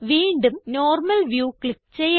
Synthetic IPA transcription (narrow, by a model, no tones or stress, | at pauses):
ʋiːɳɖumnoːrmɐlʋjuːklik̚t͡ɕejː